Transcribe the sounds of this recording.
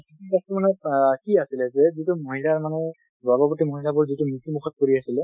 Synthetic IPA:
ikastɔmanɛkiasilɛzɛzitʊmoɦilaɹmanɛ | babɔpɔtimoɦilabɔɹzitʊmitimukʰɔt̚koɹiasilɛ

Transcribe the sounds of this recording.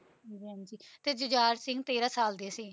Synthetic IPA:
ɦ | d͡ʒiːɦãnd͡ʒiːt̪eːd͡ʒʊd͡ʒaːɾsɪ̃ŋɡt̪eːɾaːsaːld̪eːsɪː

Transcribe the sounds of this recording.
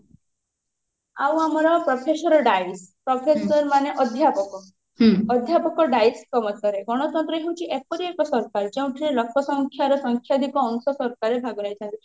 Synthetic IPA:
a̰wamɔɾɔpɾɔpʰesɔɾɔɖajspɾɔpʰesɔɾmaneʔɔd̪ʱjapɔkɔ | ɔd̪ʱjapɔkɔɖajskɔmɔt̪ɔɾeɡɔɽ̃ɔt̪ɔnt̪ɾɔɦewt͡ʃʰiʔep̚ɔɾiekɔsɔɾkaɾd͡ʒeũʈʰiɾelɔkʰɔsɔŋkʰjaɾɔsɔŋkʰjad̪ʱikɔːnsɔsɔɾkaɾebʱaɡunajt͡ʃʰɔnt̪i

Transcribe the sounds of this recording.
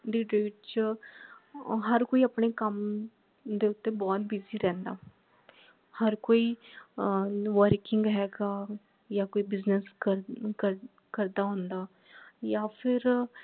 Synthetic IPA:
ɖɪʈeːʈ̚t͡ʃ | ɦəɾkoːiːəpneːkəm | d̪eːʊt̪ːeːbɔːt̪̚biziːɾɛ̃ːnd̪a̰ː | həɾkoːiː | ʋəɾkɪŋɡɦɛːɡaː | jaːkoːiːbɪznəskəkə | kəɾd̪aːɦõːnd̪aː | jaːpʰɪɾ

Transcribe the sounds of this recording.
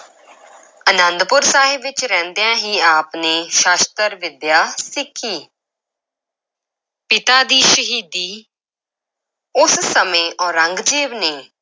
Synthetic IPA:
ənənd̪pʊɾsaːɦɪbʋɪt͡ʃɾɛ̃ːnd̪ejãːɦiːaːpneːʃaːst̪əɾʋɪd̪jaːsɪkʰːiː | pɪt̪aːd̪iːʃəɦiːd̪iː | ʊssəmẽːʔɔːɾəŋɡd͡ʒiːʋneː

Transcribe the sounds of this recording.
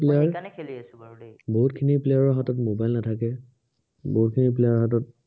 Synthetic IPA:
pleaɹ | boɦutkʰiniplejaɹɔɦatɔtmobajlnatʰakɛ | boɦut̚kʰinip̬lejaɹɔɦatɔt̚

